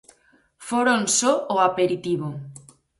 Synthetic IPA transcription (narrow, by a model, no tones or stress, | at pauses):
foɾonsoːapeɾit̪iβo